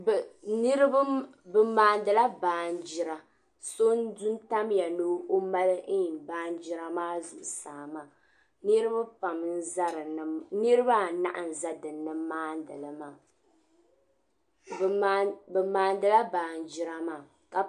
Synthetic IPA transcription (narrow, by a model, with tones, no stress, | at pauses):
bnɨ˦ɾɨ˦bbɨ˦maː˨ndɨ˨la˦baː˨˦n˦d͡ʒɪ˦ɾa˨ | so˦n˦du˦n˦ta˦mja˨no˦ʔo˦ma˦lɨ˦˨baː˦n˦d͡ʒi˦ɾa˦maː˦zu˨ʔʊ˨saː˨maː˦˨ | nɨ˦ɾɨ˦ba˦pa˨mn̩˦za˦ɾɨ˨n˨nɨ˦ɾɨ˦ba˦˨na̰˦ʔa˨n˨za˦dɨ˨nːɨ˦maː˦ndɨ˨lɨ˨maː˨˦ | bɛ˨maː˨ndɨ˨la˦baː˨n˦d͡ʒɪ˦ɾa˦maː˨ | ka˨